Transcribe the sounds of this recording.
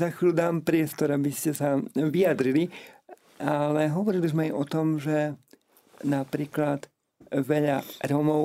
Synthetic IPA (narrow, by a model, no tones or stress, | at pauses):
zaxʎud̪aːmpɾɪɛst̪ɔɾabiscɛsaʋijad̪ɾili | ʔalɛɦɔʋɔɾilizmɛajʔɔt̪ɔmʒɛ | napɾiːklad̪ | ʋɛʎaɾɔmɔʊ